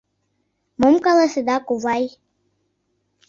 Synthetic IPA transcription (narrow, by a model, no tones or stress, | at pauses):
momkʼalasɨd̪akʼuvaj